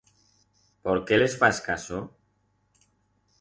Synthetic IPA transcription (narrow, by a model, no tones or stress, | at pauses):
poɾkelesfaskaso